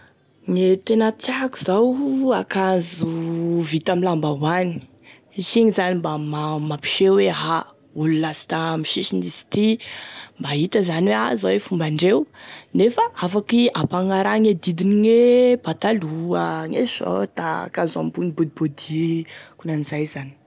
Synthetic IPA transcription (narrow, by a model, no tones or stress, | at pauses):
ŋet̪enət͡sjaku̥zawakazuvit̪amilambaɦwani̥ | iʃiŋizanimbamamapi̥ʃeweɦa | ululasi̥t̪amiʃiʃinisi̥t̪imbaɦit̪əzanweazawefumbaɳɖ͡ʐewnefaafakiapaŋaɾaŋed̪id̪iniŋeb̥at̪aluəŋeo̰t̪a̰kaza̰mbunibud̪̚ibod̪ikunaniz̥ajzani̥